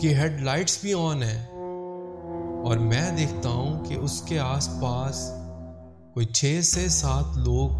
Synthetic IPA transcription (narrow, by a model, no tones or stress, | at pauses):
keɦeːɖlaːɪʈsbʱiɔːnɦɛ̃ː | ɔːɾmɛ̃ːd̪eːkʰt̪aɦũkḛʔʊskeaːspaːs | koːit͡ʃʰeːsesaːt̪ʰloːɡ̚